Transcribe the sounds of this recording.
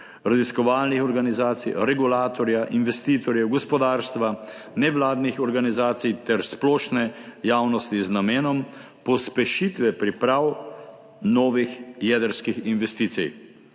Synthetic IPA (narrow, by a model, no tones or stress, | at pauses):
ɾaziskɔʋaːlnixɔɾɡanizaːt̪sijɾɛɡulaːt̪ɔɾjaʔinʋɛst̪iːt̪ɔɾjɛwɡɔspɔd̪aːɾst̪ʋa | nɛʋlaːd̪nixɔɾɡanizaːt̪sijt̪ɛɾsplɔːʃnɛjaːwnɔst̪iznameːnɔm | pɔspɛʃit̪ʋɛpɾipɾaːw | nɔːʋixjɛd̪əɾskixinʋɛst̪iːt̪sij